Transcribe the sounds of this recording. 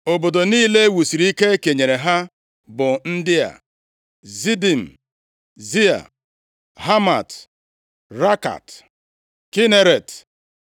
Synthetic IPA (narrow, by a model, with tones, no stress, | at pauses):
o˨bo˨do˨niː˦le˦wu˨si˨ɾi˦ke˦ke˨ɲe˨ɾe˨ɦa˦ | bʊ˨n̩˦dɪ˦a̰˨ | zi˦di˨m̩˨ | zi˦a̰˨ | ɦa˦ma˨t | ɾa˦ka̰˨t | ki˦ne˦ɾe˨t